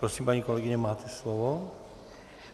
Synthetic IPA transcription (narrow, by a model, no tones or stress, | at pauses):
pɾosiːmpaɲiːkɔlɛɡiɲɛmaːt̪ɛslɔʋɔ